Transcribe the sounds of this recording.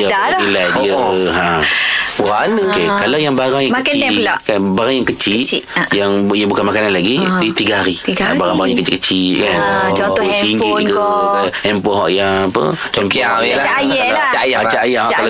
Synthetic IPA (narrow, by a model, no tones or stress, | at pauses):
jaailajdiəɦã | aʔadəkekalawjaŋbaɾaŋjaŋmklʔkanbaɾaŋjaŋkət͡ʃiʔjaŋjaŋbukanmakananlaɡidit̪iɡaɦaɾiiabaɾaŋbaɾaŋjaŋkət͡ʃɪ̰ʔkət͡ʃiʔkan | t͡ʃiŋɡiiɡahɛmpɔɦɔʔjaŋapə̰mkaajaat͡ʃajaat͡ʃaajakala